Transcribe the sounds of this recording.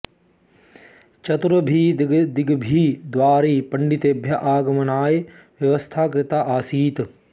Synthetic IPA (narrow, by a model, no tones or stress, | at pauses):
t͡ʃɐt̪ɾɐbʱid̪iɡbʱiːd̪ʋaːɾiːpɐɳɖit̪eːbʱjɐʔaːɡɐmɐnaːj | ʋjɐʋɐst̪ʰaːkɾɪt̪aːʔaːsiːt̪